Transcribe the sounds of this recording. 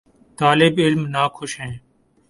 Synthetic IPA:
t̪aːlɪbɪlmnaːkʰʊʃɦɛ̃ː

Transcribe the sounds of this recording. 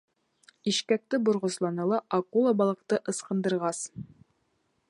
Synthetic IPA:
iʃkæk̚t̪ɘbŏɾʁɤ̆slˠɑnɤlˠɑʔɑkulˠɑbɑlˠɤ̆q̚t̪ɤʔɤ̆sqɤ̆nd̪ɤ̆ɾʁɑs

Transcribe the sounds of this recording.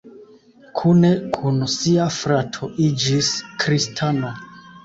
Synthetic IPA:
kʰune̞kʰunsiafɾatʰoʔid͡ʒiskɾistʰano

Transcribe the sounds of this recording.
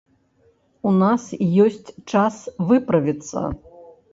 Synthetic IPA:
unasjɔsʲt͡sʲt͡ʂasvɨpɾɐvʲit̪sːɐ̰

